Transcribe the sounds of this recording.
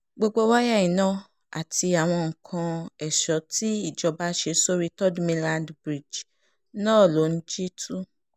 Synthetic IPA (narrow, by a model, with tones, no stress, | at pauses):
ɡ͡bo˧ɡ͡bo˦wa˦ja˦˨jĩ˨nã˦˨ | a̰˨ti˧a˨w̃ɔ̃˧ŋ̩˨kʰã˧ɛ˨ʃɔ˨˦ti˦i˦˨d͡ʒɔ˧ba˦ʃe˧so˦ɾi˦tɔ˦dmĩ˧lã˧ndbɾi˨d͡ʒ | nãː˦˨lo˨˦n̩˦d͡ʒi˦tʰu˦